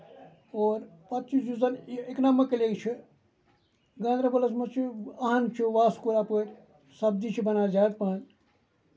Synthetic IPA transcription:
oːɾpɐt̪t͡ʃisd͡ʒuzɐneknamɐkelʲeɡt͡ʃʰi | ɡɐ̃nd̪ɾɐbɐlɐsmɐt͡ʃʰiɐɦɐnt͡ʃʰiʋaːskuɾaːpəɾʲ | sɐb̚d̪it͡ʃʰibɐnaːd͡ʒaːt̪pan

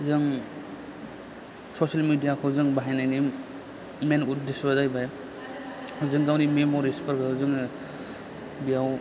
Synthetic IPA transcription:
zɯŋ | sɔsalmidijakʰɯwzɯŋbaɦajnajnim | menut̚desbadajbaj | hɯzɯŋɡawnimemɔɾispʰaɾkʰɯɯzɯŋɯ | bijaw

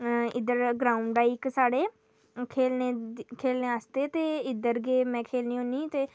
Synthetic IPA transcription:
ɪd̪əɾɡɾaːʊɳɖaːiksaːɽeː | kʰeːlneːkʰeːlneːaːst̪eːt̪eːɪd̪əɾɡeːmɛ̃ːkʰeːlniːɦõːniːt̪eː

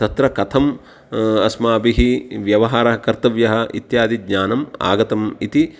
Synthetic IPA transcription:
t̪ɐt̪ɾɐkɐt̪ʰɐm | ɐsmaːbiɦiʋjɐʋɐɦaːɾɐɦɐkɐɾt̪ɐʋjɐɦɐ̆ʔḭt̪jaːd̪iɡ̪ɲaːnɐma̰ːɡɐt̪ɐmit̪i

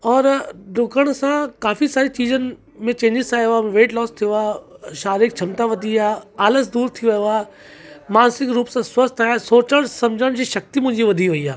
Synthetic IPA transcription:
ɔːɾɖʊɡəɽ̃ʊsãkaːfisaːɾit͡ɕiːzənɪ̆ | mẽt͡ɕẽːɲd͡ʑɪsaːjoaːmẽʋeːʈlɔːst̪ʰijoaːʃaːɾik̚t͡ɕʰɐmt̪aʋɐd̪ʱiaːaːləsd̪uːɾt̪ʰiʋɐjoaː | maːnsɪkɾuːpsãswɐst̪ʰaːjsoːt͡ɕəɽ̃sɐ̃md͡ʑʱəɽ̃d͡ʑiːʃɐk̚t̪imʊ̃ɦɪ̃ɲd͡ʑiʋɐd̪ʱiʋɐiaː

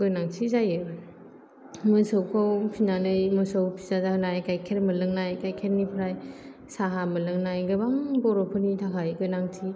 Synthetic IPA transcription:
ɡɯjnaŋtʰizajɯ | mɯsɯwkʰawpʰinanɯjmɯsowpʰi̥zazanajkajkʰeɾmɐlɯŋnajkajkʰeɾnipʰɾaj | saɦamɐlɯŋnajɡɯbaŋbɔɾɔpʰɯnitʰakʰajɡɯjnaŋtʰi

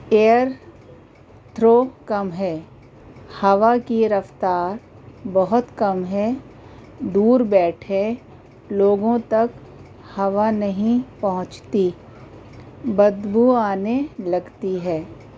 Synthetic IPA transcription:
eːəɾ | t̪ʰɾoːkɐmɦɛː | hɐʋakiɾəft̪aːɾ | bɐɦʊt̪kɐmɦɛː | d̪uːɾbɛːʈʰe | loːɡõt̪ɐk | hɐʋanɐɦĩpɐɦʊ̃t͡ʃt̪i | bəd̪bʱuaːnelɐɡt̪iɦɛː

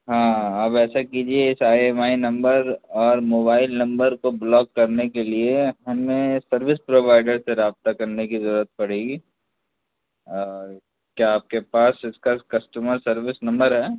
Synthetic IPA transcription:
ɦãaːpɛːsakiːd͡ʒieɪsaːemaːinɐ̃mbəɾɔːɾmoːbaːɪlnɐ̃mbəɾkoblɔːkːɐɾnekelieɦɐmẽsɐɾʋɪspɾoːʋaːɪɖəɾseɾaːb̚t̪akɐɾnekizɐɾuːɾət̪̚pɐɽ̤eːɡiː | kjaːp̚kepaːsɪskakɐsʈuməɾsɐɾʋɪsnɐ̃mbəɾɦɛː

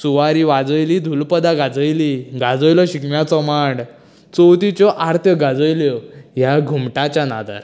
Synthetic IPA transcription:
suʋaɾiːʋad͡zəjliːd̪ʱulpəd̪aɡad͡zəjliːɡʱad͡zəjlɔɕikmjat͡sɔmaɽ | t͡sɔwt̪it͡ɕɔʔaɾt̪ʰəɡad͡zəjljɔjaɡʱumʈat͡ɕjana̰d̪a̰ɾ

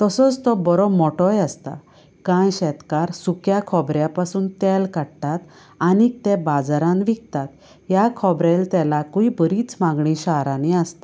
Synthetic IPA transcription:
t̪əsɔt͡st̪ɔbɔɾomɔʈɔjast̪a̰ | kãjɕɛt̪kaɾsukjakʰɔbɾjapasuːnt̪ɛlkaɽt̪at̪ | anik̚t̪ɛbad͡zaɾãnʋik̚t̪at̪ | ɦjakʰɔbɾelt̪ɛlakuibəɾiːt͡smaɡɳĩɕaɾãniast̪a

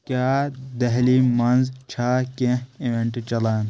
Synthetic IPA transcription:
kjaːd̪ɐɦlimɐnzt͡ʃʰaːkẽiʋẽɳʈt͡ʃɐlaːn

